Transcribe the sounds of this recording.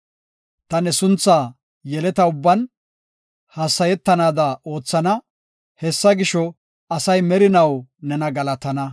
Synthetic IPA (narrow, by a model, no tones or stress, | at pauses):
t̪ɐnɛsʊnt͡sːaː | jɛlɛt̪ɐʊbːɐn | hɐsːɐjɛt̪ːɐnaːd̪ɐʔo̞ːt͡sːɐnɐ | hɛsːɐɡɪʃɔ | ɐsɐjmɛɾɪnɐwnɛnɐɡɐlɐt̪ɐnɐ